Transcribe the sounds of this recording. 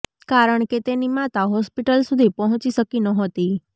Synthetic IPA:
kaɾəɳ̃ket̪enimat̪aɦɔspiʈəlsud̪ʱipəɦɔ̃t͡ʃiʃəkinəɦot̪i

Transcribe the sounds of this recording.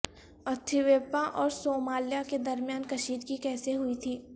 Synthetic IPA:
ɐt̪ʰiʋeːpaʔɔːɾsoːmaːljaked̪ɐɾmijaːnkɐʃiːd̪kikɛːseɦʊit̪ʰiː

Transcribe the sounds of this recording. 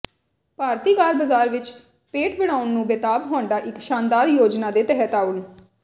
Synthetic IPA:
paːɾt̪iːɡaːɾbəzaːɾʋɪt͡ʃ | peːʈbəɽ̃aːʊnːũːbeːt̪aːbɦoːɳɖaːʔɪkʃaːnd̪aːɾjoːd͡ʒnãːd̪eːt̪ɛɦɛt̪aːʊn

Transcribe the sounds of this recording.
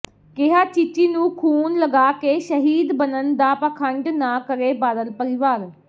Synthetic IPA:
keɦaːt͡ʃit͡ʃiːnũːkʰuːnləɡaːkeːʃəɦiːd̪bənənd̪aːpaːkʰəɳɖnãːkəɾeːbaːd̪əlpəɾɪʋaːɾ

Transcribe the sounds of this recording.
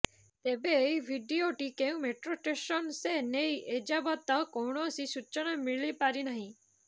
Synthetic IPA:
t̪ebebʱiɖioʈikeũmeʈɾoʈesɔnsenejed͡ʒabɔt̪ɔkowɳɔːsisut͡ʃɔɽ̃amiɭipaɾinaɦĩ

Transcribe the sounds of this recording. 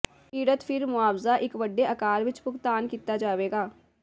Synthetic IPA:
piːɽət̪pʰɪɾmʊaːʋzaʔɪkʋəɖːeɐkaːɾʋɪt͡ʃpʊkt̪aːnkiːt̪ad͡ʒaːʋeːɡaː

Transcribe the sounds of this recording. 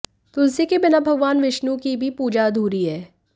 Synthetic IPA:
t̪ʊlsikibɪnabʱɐɡʋaːnʋɪʃnũkibʱipuːd͡ʒad̪ʱuːɾiɦɛː

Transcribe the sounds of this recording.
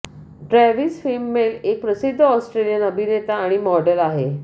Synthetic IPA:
ɖɾɛʋisfilmːelek̚pɾəsid̪ʱːəɔsʈɾelijənəbʱinet̪aːɽ̃imɔɖəlaɦe

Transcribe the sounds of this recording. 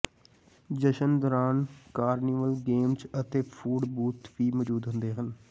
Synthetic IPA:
d͡ʒəʃənd̪oːɾaːnkaːɾniːʋəlɡeːmt͡ʃət̪eːpʰuːɖbuːt̪ʋiːmɔːd͡ʒuːd̪ɦʊ̃nd̪eːɦən

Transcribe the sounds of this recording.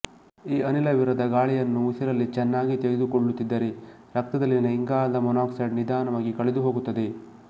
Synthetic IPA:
iːɐnilɐʋiɾɐd̪ɐɡaːɭijɐnːuusiɾɐlːit͡ʃɛnːaːɡit̪eɡed̪ukoɭːut̪ːid̪ːɐɾe̞ | ɾɐk̚t̪ɐd̪ɐlːinɐiŋɡaːɐnd̪ɐmɔnaːksɐɖnid̪aːnɐʋaːɡikɐɭed̪uɦo̞ːɡut̪ːɐd̪e̞

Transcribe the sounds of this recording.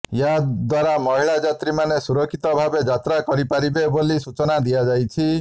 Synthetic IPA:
jaad̪waɾamɔɦiɭad͡ʒat̪ɾimanesuɾɔkʰit̪ɔbʱabed͡ʒat̪ɾakɔɾipaɾibebolisut͡ʃɔnad̪iad͡ʒajt͡ʃʰi

